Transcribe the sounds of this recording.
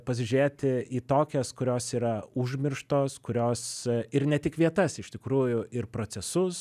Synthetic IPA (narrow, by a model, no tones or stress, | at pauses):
pɐs̬ʲɪʒʲyɾʲeːt̪ʲɪiːt̪oːkʲɛskʊɾʲoːsiːɾɐʊʒʲmʲɪrʃt̪oːskʊɾʲoːsɪɾnʲɛt̪ʲɪkʋʲiɛt̪ɐsɪʃt̪ʲɪkɾuːjʊɪrpɾoːt͡ssʲɛsʊs